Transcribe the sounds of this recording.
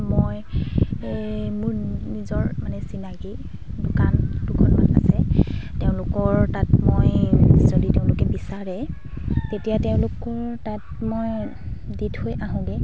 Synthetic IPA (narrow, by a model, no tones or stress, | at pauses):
moj | mʊɹnizɔɹmanɛsinaɡi | dʊkandʊkʰɔnma̰na̰sɛteʊ̃lʊkɔɹtat̚mojz̥oditeʊ̃lʊkɛbisaɹɛ | tetijateʊ̃lʊkɔɹtatmoj | dithojaɦʊ̃ɡɛ